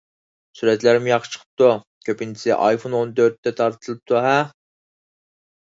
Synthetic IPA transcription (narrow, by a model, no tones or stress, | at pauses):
suɾɛt̪læɾmjɑqːə̥t͡ʃʰə̥qʰə̥p̚t̪u | kʲʰøpint͡ʃʰi̥sɪ̰ʔɑ̰jfʰonont̪øɾt̪ːɛt̪ʰɑɾt̪ʰɨlˠɨp̚t̪ʰuɦɛ